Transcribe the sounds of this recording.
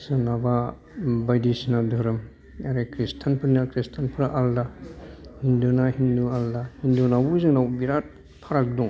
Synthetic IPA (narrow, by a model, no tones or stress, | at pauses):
sɯnaba | bajdisinadʱuɾɯm | aɾekɾistʰanpʰɯɾnakɾistʰanpʰɯɾʔalda | hindunaɦindualdahindunabuzɯŋnawbiɾat̚ | pʰaɾak̚duŋ